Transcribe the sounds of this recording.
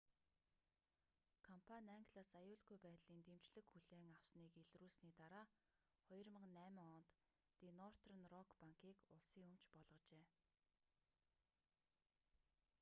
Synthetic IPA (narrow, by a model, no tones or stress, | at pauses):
kʰɔmpʰanʲæŋɡɮaːsajʊːɮɡujpæːt̪ɮiːnt̪em̥t͡ɕɮɘ̆xxuɮeːŋaw̥sniːkeɮruːɮsniːt̪aɾaː | χɔjɞ̆rmə̆qnːæːmʲɪŋɔnt̪ː | inɔr̥t̪rə̆nrɔkpaŋkiːkʊɮsiːŋɵmt͡ɕpɔɮʁɞ̆t͡ɕeː